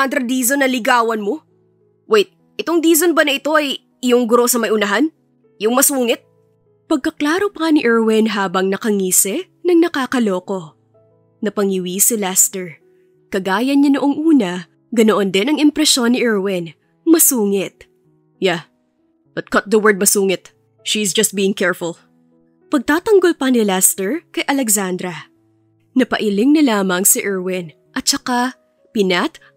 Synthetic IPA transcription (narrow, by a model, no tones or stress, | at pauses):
and̪ɾɐd̪iːzonːɐlɪɡaːwɐnmo̞ | wɛjt̪̚ | ʔɛt̪o̞ŋd̪iːzonbɐnɐʔɪt̪o̞ʔɐj | ɪjoŋɡʊɾo̞sɐmɐjʔʊnɐɦan | jʊŋmɐsuːŋɪt̪̚ | pɐɡ̚kɐklaːɾo̞pɐɐnɪʔɛɹwɪnɦaːbɐŋnɐkɐŋiːsɛ | nɐŋnɐkaːkɐlo̞ːko̞ | nɐpɐŋɪwiːsɛlast̪ɛɹ | kɐɡaːjɐnɲːɐnoʔoŋʔuːnɐ | ɡɐnoʔond̪ɛnɐŋɪmpɾɛʃo̞nːɪʔɛɹwɪn | mɐsuːŋɪt̪̚ | ja | b̥ɐt̪̚kɔt̪̚d̪ɐwɛɹd̪̚mɐsuːŋɪt̪̚ | ʃizd͡ʒɐst̪̚biːɪŋkɛɹfʊl | pɐɡ̚t̪aːt̪ɐŋɡo̞lpɐnɪlɛst̪ɛɹkɐjʔɐlɛksand̪ɾɐ | nɐpɐʔɪlɪŋnɐlaːmɐŋsɪʔɛɹwɪn | ʔɐt̪̚t͡ʃɐka | pɪnat̪